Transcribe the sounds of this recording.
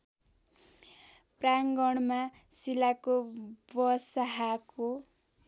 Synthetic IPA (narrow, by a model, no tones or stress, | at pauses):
praŋɡʌɽ̃ma | silakobʌsaɦako